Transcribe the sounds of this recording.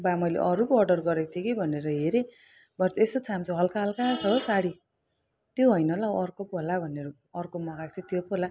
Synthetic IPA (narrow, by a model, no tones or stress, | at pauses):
bamʌjlḛʔʌɾupʌrɖʌrɡʌɾek̚t̪ʰikibʱʌneɾʌɦeɾe | bʌrt͡sesot͡sʰamt͡sʰoɦʌlkaɦʌlkasʌbʌsaɽi | t̪joɦʌjnʌlaʌrkopolabʱʌneɾʌ | ʌrkomʌkaɡ̚t̪ʰit̪jopola